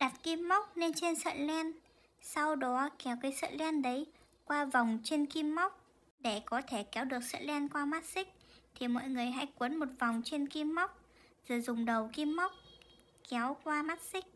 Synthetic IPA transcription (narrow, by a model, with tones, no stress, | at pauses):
ɗa˨˩t̚ki˧mːa˦˥wk͡p̚ne˧nt͡ɕe˧nsə̰ː˧˨lɛ˧n | sa˧wɗɔ˨˦kɛ˨˦wkaː˨˦jsə̰ː˧˨nlɛ˧nɗə˨˦j | kwaː˧va˨˩wŋ͡mt͡ɕe˧nki˧mːa˦˥wk͡p̚ | ɗe˧˩kɔ˨˦t̪ʰe˧˩kɛ˨˦wɗɨ˨˩ək̚sə̰ː˧˨nlɛ˧nkwaː˧maː˦˥t̚sï˦˥k̟̚t̪ʰi˨˩mɔ̰˧˨jŋɨ˨˩əjɦa̰˧˥jkwə˨˦nmo˨˩t̚va˨˩wŋ͡mt͡ɕe˧nki˧mːa˦˥wk͡p̚ | z̥ə˨˩jzʊ˨˩ŋ͡mɗə˨˩wki˧mːa˦˥wk͡p̚ | kɛ˨˦wkwaː˧maː˦˥t̚sï˦˥k̟̚